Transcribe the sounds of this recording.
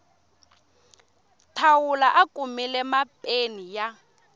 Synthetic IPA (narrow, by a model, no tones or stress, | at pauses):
tʰawulaʔakʼumilɛmapʼenija